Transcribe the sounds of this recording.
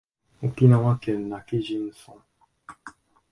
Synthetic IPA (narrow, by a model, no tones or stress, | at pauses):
ukinãwakɛnːakid͡ʒin̩sɔ̃